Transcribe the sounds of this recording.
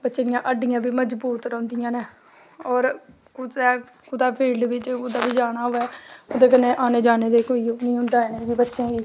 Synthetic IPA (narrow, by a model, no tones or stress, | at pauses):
bətːʃeːd̪ɪjãːʔəɖɪjãːbʱiːməd͡ʒbuːt̪ɾə̃ʊnd̪ɪjãːnẽː | ɔːɾ | kʊɛː | kʊd̪aːpʰiːlɖbɪt͡ʃoːd̪aːbiːd͡ʒaːɽ̃aːɦoːɛːod̪eːk̬ənẽːʔaːneːd͡ʒaːneːd̪eːkoːiːoːnĩːɦʊ̃nd̪aːnẽːbiːbətːʃẽːbiː